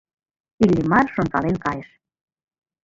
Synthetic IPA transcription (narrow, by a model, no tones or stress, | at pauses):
ilʲːimɑrʃont̪ɑlenkɑjeʃ